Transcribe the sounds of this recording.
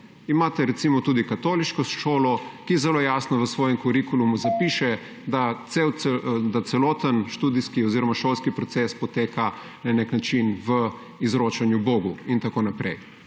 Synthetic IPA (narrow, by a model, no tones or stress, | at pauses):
imaːt̪ɛɾɛt̪simɔt̪uːd̪ikat̪oːliʃkɔʃoːlɔkizɛloːjaːsnɔʋəsʋɔːjɛmkuɾikulumuzapiːʃɛ | d̪at̪sewɛd̪at̪sɛlɔːt̪ənʃt̪uːd̪iskiɔziɾɔmaʃoːlskipɾɔt̪sespɔt̪eːka | naneknat͡ʃinʋə | izɾoːt͡ʃanjuboːɡuint̪akoːnapɾɛj